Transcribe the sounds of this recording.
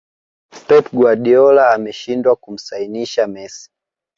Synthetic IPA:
pɛp̚ɡwaɗiɔlaːmɛʃindwakum̩sainiʃamɛsi̥

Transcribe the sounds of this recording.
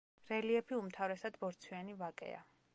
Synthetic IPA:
ɾɛliɛpʰiumt̪ʰavɾɛsad̪bɔɾt̪sʰwianivakʼɛ̰a̰

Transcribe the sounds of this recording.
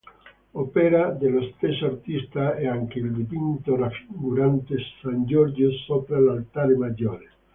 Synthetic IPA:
opeɾad̪elost̪esaɾt̪ist̪aeaŋkeild̪ipint̪orafiɡuɾant̪esːand͡ʒoɾd͡ʒosopɾalalt̪aɾemad͡ʒoɾes

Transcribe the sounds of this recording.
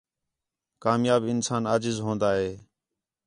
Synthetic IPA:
kaːmjaːbɪnsaːnaːd͡ʒɪzɦõːnd̪aːɦeː

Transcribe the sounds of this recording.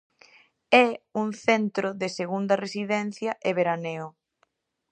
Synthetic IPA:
ɛuŋθɛnt̪ɾʊðeseɣund̪ɐresiðɛn̟θjɐʔeβeɾaneo

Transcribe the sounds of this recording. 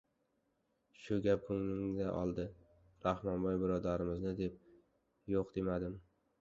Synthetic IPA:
ʃʊɡʲap̚kʊŋlɪŋd̪aʔɒ̰lˠd̪ɪ | ɾahmɒnbɒjbɪɾɒd̪aɾɪmɪznɪd̪e̞p̚ | joqd̪̥e̞mad̪ɪm

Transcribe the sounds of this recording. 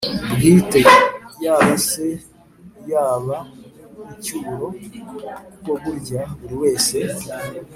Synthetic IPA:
bɡiːtejaːβase̞ | jaːβa | icuːɾo̞ | koɡuɾɟaβuɾiwe̞ːse̞

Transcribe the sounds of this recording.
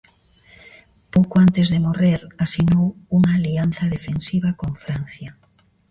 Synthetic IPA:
powkʊant̪ezðemoreɾasinowuŋaːlianθɐðefensiβakoɱfɾan̟θja

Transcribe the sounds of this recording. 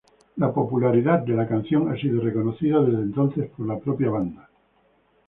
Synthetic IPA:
lapo̞pulaɾiðad̪̚d̪e̞lakan̟θjo̞ŋasiðoreko̞noθiðaðe̞zðent̪o̞nθespoɾlapɾopjaβ̞and̪a

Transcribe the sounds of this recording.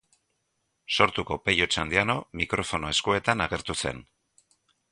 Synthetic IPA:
so̞ɾt̪uko̞pe̞ʎo̞t͡ʃand̪iano̞mikɾʔo̞fo̞no̞e̞skue̞t̪anaɣe̞ɾt̪use̞̰n

